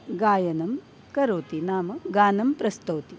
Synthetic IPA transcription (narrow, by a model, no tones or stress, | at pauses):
ɡaːjɐnɐm | kɐɾoːt̪inaːmɐɡaːnɐmpɾɐst̪oːt̪i